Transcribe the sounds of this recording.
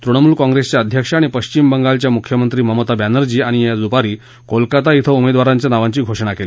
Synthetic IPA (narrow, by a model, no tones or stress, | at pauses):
t̪ɾuɳ̃əmuːlkãŋɡɾest͡ɕjaəd̪ʱjəkʂaɽ̃ipəɕt͡ɕimbəŋɡalt͡ɕjamukʰjəmənt̪ɾiːməmət̪abanəɾd͡ʑiːaɽ̃ijad͡zupaɾiː | kolkat̪ait̪ʰəumed̪ʋaɾaɲt͡ɕjanaʋãɲt͡ɕiːɡʱoʂɳ̃akeli